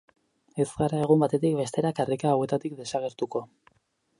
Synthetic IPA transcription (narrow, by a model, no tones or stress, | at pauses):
e̞zɡaɾae̞ɣ̞umbat̪e̞t̪ikbe̞st̪e̞ɾakarikaːwe̞t̪at̪ikd̪e̞saɣ̞e̞ɾt̪uko̞